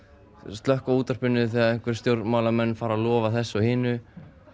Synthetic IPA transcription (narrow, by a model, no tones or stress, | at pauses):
st̪lœhkauːt̪ar̥pʏnːʏθɛːaðɪhŋ̥kvɪɾ̥st̪jowɾmaːwlamɛnːfaːɾalɔːvaθɛsːʏhɪːnʏ